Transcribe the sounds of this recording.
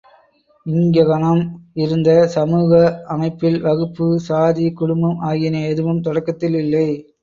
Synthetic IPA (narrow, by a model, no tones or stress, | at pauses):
ɪŋɡɐɣɐnɐmɪɾɯnd̪ɐsɐmuːɣɐɐmɐɪpːɪlʋɐɣɯpːɯsaːðikʊɽʊmbɯmaːɣɪnɐɛðɯʋɯmt̪ɔɽɐkːɐt̪ːɪlɪlːɐɪ